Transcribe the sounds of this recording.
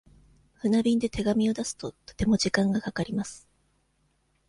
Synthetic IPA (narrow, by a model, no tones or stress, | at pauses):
ɸɯ̟nabʲĩnd̪e̞t̪ʰe̞ɡamʲio̞d̪asɨ̥t̪o̞t̪o̥t̪e̞mo̞ʑikãŋɡakakaɾʲimasɨ̥